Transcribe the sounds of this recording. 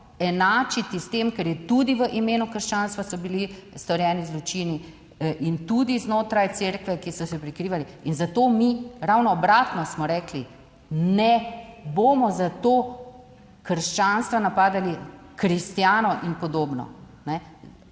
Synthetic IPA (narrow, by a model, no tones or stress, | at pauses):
ɛnaːt͡ʃit̪ist̪emkɛɾjɛt̪ud̪iʋəʔimeːnukəɾʃt͡ʃaːnst̪ʋasɔbilist̪ɔɾjɛːnizlɔt͡ʃiːni | ʔint̪ud̪iznoːt̪ɾajt̪seːɾkʋɛkisɔsɛpɾikɾiːʋaliinzat̪oːmiɾawnɔːbɾaːt̪nɔsmɔɾɛːkli | nɛboːmɔzat̪oː | kəɾʃt͡ʃaːnst̪ʋanapaːd̪alikɾist̪jaːnɔʔinpɔd̪oːbnɔ̰ | nɛ